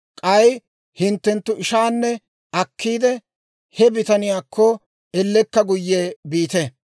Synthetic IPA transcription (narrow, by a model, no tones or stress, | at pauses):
kʼɐj | hɪnt̪ːɛnt̪ːʊʔɪʃaːnːɛ | ɐkːiːd̪ɛ | hɛbɪt̪ɐnɪjaːkːɔ | ɛlːɛkːɐɡʊjːeːbiːt̪ɛ